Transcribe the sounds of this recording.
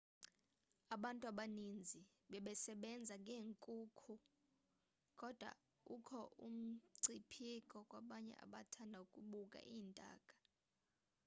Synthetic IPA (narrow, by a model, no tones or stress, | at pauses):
aɓantʼuaɓanind͡zʱi | ɓɛɓɛsɛɓɛnd͡zʱaŋɡʱeːŋkʼuːkʰu | kʼɔd̥ʱwa̰ | ukʰɔʔṵm̩ǀipʰikʼɔkʼwaɓaɲɛ̰ʔa̰ɓatʰandʱaukʼuɓukʼa̰ʔiːntʼa̰ːkʼḁ